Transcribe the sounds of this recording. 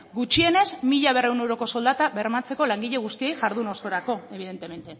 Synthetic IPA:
ɡut͡ʃie̞ne̞zmiʎaβ̞e̞rewne̞wɾo̞ko̞so̞ld̪at̪aβe̞ɾmat͡se̞ko̞laŋɡiʎe̞ɣ̞ust̪iejʝaɾðuno̞so̞ɾako̞e̞βið̞e̞nt̪e̞me̞nt̪e̞

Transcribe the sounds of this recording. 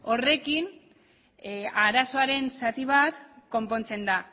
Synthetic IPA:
o̞re̞kin | aɾaso̞aɾe̞nsat̪iβat̪ko̞mpo̞nt͡se̞nd̪a

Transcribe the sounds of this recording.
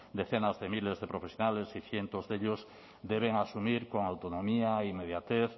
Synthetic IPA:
d̪eθenazðemilezðepɾofesjonalesiθjent̪ozðeʎos | d̪eβeŋasumiɾkoŋawt̪onomiaimeðjat̪eθ

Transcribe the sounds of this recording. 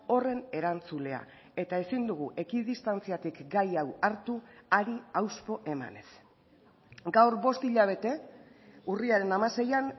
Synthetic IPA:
o̞re̞ne̞ɾant͡sule̞a̰ | e̞t̪ae̞sind̪uɣ̞uʔe̞kiðist̪ant͡siat̪ikɡajawaɾt̪uaɾiawspo̞ʔe̞ma̰ne̞s | ɡawɾβo̞st̪iʎaβ̞e̞t̪e̞ | uriaɾe̞namase̞jan

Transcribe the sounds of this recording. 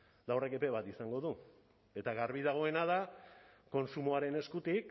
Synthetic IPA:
d̪awre̞ke̞pe̞βat̪isaŋɡo̞ðu | e̞t̪aɣaɾβiðaɣ̞o̞e̞nað̞ako̞nsumoaɾe̞ne̞skut̪ik

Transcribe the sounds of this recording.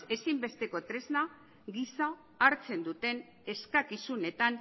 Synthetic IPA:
e̞simbe̞st̪eko̞t̪ɾe̞zna | ɡisa | aɾt͡se̞nd̪ut̪e̞n | e̞skakisune̞t̪an

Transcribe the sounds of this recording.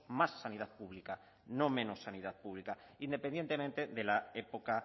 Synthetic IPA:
masːaniðaðpuβlika | no̞mẽ̞nosːaniðaðpuβlikaind̪epend̪je̞nt̪e̞mẽnt̪e̞ðe̞lae̞poka

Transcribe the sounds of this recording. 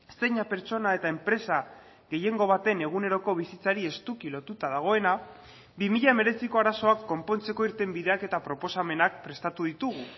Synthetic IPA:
se̞ɲape̞ɾt͡so̞nae̞t̪ae̞mpɾe̞sa | ɣe̞je̞ŋɡo̞β̞at̪e̞ne̞ɣ̞une̞ɾo̞ko̞β̞isit͡saɾie̞st̪ukilo̞t̪ut̪aðaɣ̞o̞e̞na | bimiʎame̞ɾe̞siko̞aɾaso̞akːo̞mpo̞nt͡se̞ko̞iɾt̪e̞mbiðe̞ake̞t̪apɾo̞po̞same̞nak̚pɾe̞st̪at̪uðit̪uɣ̞u

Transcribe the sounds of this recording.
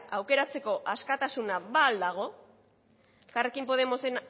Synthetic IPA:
awke̞ɾat͡se̞ko̞ʔaskat̪asunaβaːld̪aɣ̞o̞ | ekare̞kimpo̞ð̞e̞mo̞sen

